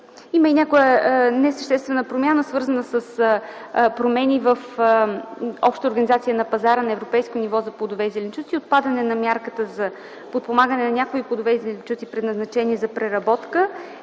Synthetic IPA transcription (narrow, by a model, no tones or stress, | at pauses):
iməinʲakojənɛsəʃt̪ɛst̪vɛnəpɾomʲjanəsvɤɾzənəsəs | pɾomɛnʲivəf | ɔ̰pʃt̪əoɾɡənizat̪sijənɐpɐzaɾənɐɛvɾopɛjskonivɔzɐplˠod̪ovɛzɛlʲɛnt͡ʃut̪siot̪̚pad̪ənɛnɐmʲjaɾkət̪əzɐ | pot̪̚pomaɡənɛnɐnʲakoiplˠod̪ʊvɛzɛlʲint͡ʃut̪sipɾɛd̪nɐznɐt͡ʃɛniɛzɐpɾɛɾɐbɔt̪kə